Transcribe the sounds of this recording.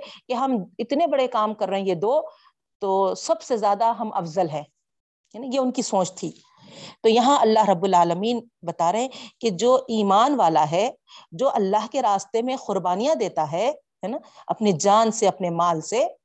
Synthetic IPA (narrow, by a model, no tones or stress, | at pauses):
keɦɐmɪt̪nebɐɽekaːmkɐɾːɐɦɛ̃jed̪oː | t̪oːsɐbsezjaːd̪aɦɐmʔɐ̰fzəlɦɛ̃ː | jeʊnkisõːt͡ʃt̪ʰiː | t̪ojɐɦãʔɐlːaɦɾɐbːʊlaːləmiːn | bɐt̪aːɾɐɦɛ̃ked͡ʒoːʔiːmaːnʋaːlaɦɛ | d͡ʒoːʔɐlːaɦkeɾaːst̪emẽxʊɾbaːnijãd̪eːt̪aɦɛ | ɦɛːnaɐ̰pned͡ʒaːnseɐpnemaːlse